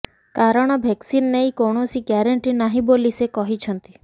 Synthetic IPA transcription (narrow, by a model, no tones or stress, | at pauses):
kaɾɔɽ̃ɔbʱeksinːeĩkoɽ̃osiɡɛɾəɳʈinaɦĩbolisekɔɦit͡ʃʰɔnt̪i